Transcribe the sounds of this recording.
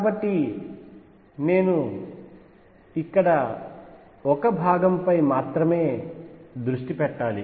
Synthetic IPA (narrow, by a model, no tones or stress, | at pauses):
kaːbɐʈːi | ne̞ːnu | ikːɐɽɐ | ɔkɐbʱaːɡɐmpɐjmaːt̪ɾɐme̞ːd̪ɾuʂʈipɛʈːaːlḭ